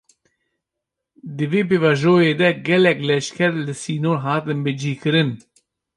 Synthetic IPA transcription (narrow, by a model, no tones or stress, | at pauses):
d̪ɨveːp̬eːvɑʒoːjeːd̪ɛɡɛlɛklɛʃkʰɛɾlɨsiːnoːɾɦɑːt̪ɨnbɨd͡ʒiːkɨɾɨn